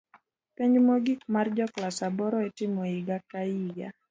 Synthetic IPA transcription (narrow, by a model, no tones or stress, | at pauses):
pɛɲd͡ʒmoɡikmard͡ʒɔklasabɔɾɔetɪmɔiɡakaiɡa̰